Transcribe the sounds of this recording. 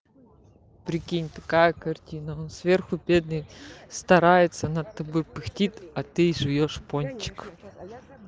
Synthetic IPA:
pɾʲɪkʲinʲt̪ɐkajəkɐrtʲinəonsvʲerxʊbʲe̞d̪nɨjst̪ɐɾajɪt̪sənɐt̪ːɐbojpɨxtʲit̪ʲɐt̪ɨiʐɨvʲoʂponʲt͡ɕːɪ̥k

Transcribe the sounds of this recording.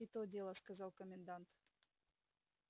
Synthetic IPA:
it̪odʲelˠəskazɑlˠkəmʲɪnd̪ant̪

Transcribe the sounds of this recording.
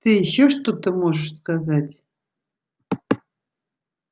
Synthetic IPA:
t̪ɨjiɕːoʂt̪ot̪əmoʐəʂskazatʲ

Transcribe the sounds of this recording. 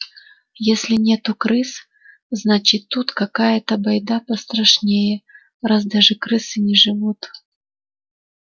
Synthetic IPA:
jesʲlʲɪnʲet̪ʊkɾɨs | znat͡ɕɪt̪ːut̪kɐkajət̪əbɐjd̪apəst̪ɾɐʂnʲejɛ | razd̪aʐɨkɾɨsɨnʲɪʐɨvut̪

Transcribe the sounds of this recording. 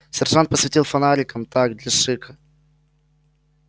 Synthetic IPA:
sʲɛrʐant̪̚pəsvʲɪtʲilˠfɐnaɾʲɪkəmt̪aɡd̪lʲɐʂɨkə

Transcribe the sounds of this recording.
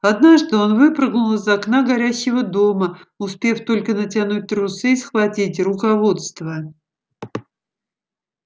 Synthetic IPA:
ɐd̪naʐd̪ɨo̞nvɨpɾɨɡnʊlˠzɐknaɡɐɾʲæɕːɪvəd̪o̞məʊspʲe̞ft̪o̞lʲkənətʲanut̪̚ʲɾʊsɨsxvɐtʲitʲrʊkɐvot̪st̪və

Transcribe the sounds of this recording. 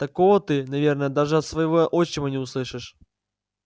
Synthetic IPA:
t̪ɐkovət̪ɨnɐvʲernəjəd̪aʐɨɐt̪svɐjɪvoʔot͡ɕːɪvənʲɪʊslˠɨʂɨʂ

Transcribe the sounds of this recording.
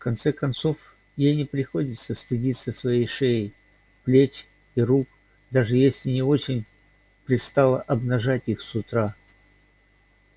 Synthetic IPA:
fkɐnt̪sɛkɐnt̪so̞f | jejnʲɪpɾʲɪxo̞dʲɪt̪səst̪ɨdʲit̪səsvɐjejʂejɪj | plʲet͡ɕ | iɾuk | d̪aʐɨjesʲlʲɪnʲɪo̞t͡ɕɪnʲ | pɾʲɪst̪alˠəʔɐbnɐʐatʲixsʊt̪ɾa

